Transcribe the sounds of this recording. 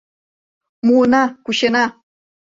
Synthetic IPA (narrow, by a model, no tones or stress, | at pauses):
munakʊʃena